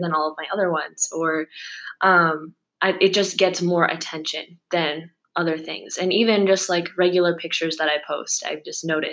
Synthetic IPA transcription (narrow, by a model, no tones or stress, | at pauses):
ðə̃nɔlˠʌvmaɪʌðə˞wʌ̃nz̥ə˞ʔʌ̃m | ʔaɪʔɨt̚d̥ʒ̥ʌsɡ̥ɛtsmɔɹʔɨ̰tʰɛ̃nʃɨ̰̃nðɨ̃n | ʔʌðə˞θɪ̰̃ŋz̥ɨ̃nivɨ̃nd͡ʒʌst̚ˡlaɪkʰɹɛɡjl̩ˠə˞pʰɪk̚t͡ʃə˞zðəɾaɪpʰoʊsta̰ɪvd͡ʒʌsnoʊɾɨ